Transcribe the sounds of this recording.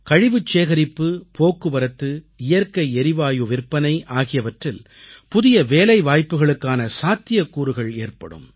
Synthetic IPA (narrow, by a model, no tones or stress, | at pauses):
kɐɻɪʋɯt͡ʃːeːɣɐɾɪpːɯpʰoːkːɯʋɐɾɐt̪ːɯ | ɪjɐɾkɐɪɛɾɪʋaːjɯʋɪrpɐnɐɪʔaːɣɪjɐʋɐʈrɪl | pʊðɪjɐʋeːlɐɪʋaːjpːɯɣɐɭɯkːaːnɐsaːt̪ːɪjɐkːuːɾɯɣɐɭeːrpɐ̰ɽɯ̰m